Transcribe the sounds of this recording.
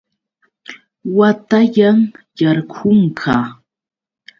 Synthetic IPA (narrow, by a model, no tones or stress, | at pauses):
wat̪aʎaŋjaɾkʰʊŋkʰaː